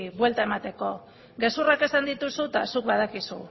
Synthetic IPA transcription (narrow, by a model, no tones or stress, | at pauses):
βwe̞lt̪aemat̪e̞ko̞ | ɡe̞surake̞sand̪it̪usut̪asuk̚βað̞akisṵ